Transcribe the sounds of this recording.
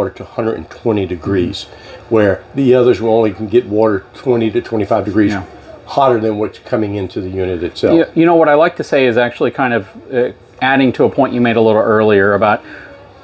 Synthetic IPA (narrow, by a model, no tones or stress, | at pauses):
ɾə˞ɾəhʌ̃ndɹəɨɾn̩tʰw̥ɛ̃ɾ̃idɨɡɹiz̥ | wə˞ðiʌðə˞zwəõʊ̃nlikʰn̩ɡɛt̚wɔɾə˞tʰw̥ɛ̃ɾ̃iɾɨtʰw̥ɛ̃ɾ̃ifaɪvdɨɡɹiz | hɑɾə˞ðɨ̃nwʌtskʰʌmɪ̃ŋɪ̃ntʰʉðɨjʉnɨɾɨtsɛ̰fjɨñoʊwʌɾaɪlaɪk̚tʰɨseɪɨzæk̚t͡ʃʉl̩ˠikʰãɪ̃ndʌvʌ | æɾɪ̃ŋtʰəːpʰɔ̃ɪ̃nt͡ʃʔɨmeɪɾəlɪɾl̩ˠɜ˞lˠiə˞ɨbaʊt̚